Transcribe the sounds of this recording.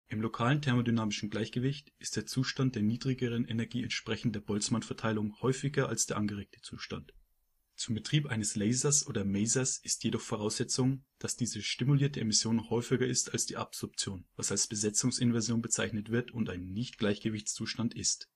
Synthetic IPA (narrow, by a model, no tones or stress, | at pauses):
ʔɪmlokʰaːləntʰɛɐmodynaːmɪʃn̩ɡlaɪçɡ̥əvɪçtɪst̚d̥eːɐt͡suːʃtant̚d̥eːɐniːdʁɪɡəʁ̞ənʔenɛɐɡiːɛntʃpʁ̥ɛçn̩tdeːɐbɔlt͡smanfɛɐtʰaɪlʊŋhɔʏfɪɡɐʔalsd̥eːɐʔanɡəʁ̞eːk̚tʰə̥t͡suːʃta̰nt | t͡sʊmbətʁ̥iːpʔaɪnəslɛɪzɐsʔoːdɐmɛɪzɐsɪstjedɔχfoʁ̞aʊsz̥ɛt͡sʊŋd̥asd̥iːzəʃtɪmuliːɐtəemɪsjoːnhɔʏfɪɡɐɪstalsd̥iːʔapz̥ɔɐp̚t͡sjoːnvasalsb̥əzɛt͡sʊŋsɪnvɛɐzjoːnbət͡saɪçnətv̥ɪɐtʊntaɪnːɪçtɡ̥laɪçɡ̥əvɪçt͡st͡suːʃtantɪst